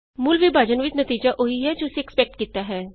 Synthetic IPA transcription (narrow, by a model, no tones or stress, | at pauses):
mʊːlʋibʱaːd͡ʒənʋɪt͡ʃnət̪iːd͡ʒaːʔoiɦɛːd͡ʒoːseɛkspɛk̚ʈkiːt̪aːɦɛː